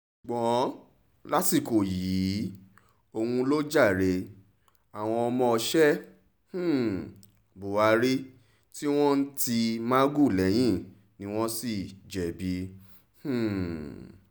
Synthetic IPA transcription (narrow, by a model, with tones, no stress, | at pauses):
ɡ͡bɔ̃˨˦ | la˦si˦˨ko˨jiː˨˦ | o˧wũ˧lo˦d͡ʒa˦˨ɾe˧ | a˨w̃ɔ̃˧ɔ˧mɔ̃˧ɔ˧ʃɛ˦ | h̩˦˨ | bo˨a˨˧ɾi˦ | ti˦w̃ɔ̃˦n̩˦ti˧mã˦ɡu˦˨lɛ˨˦j̃ĩ˦ | nĩ˨˦w̃ɔ̃˦si˦˨d͡ʒɛ˨bi˧ | h̩˦˨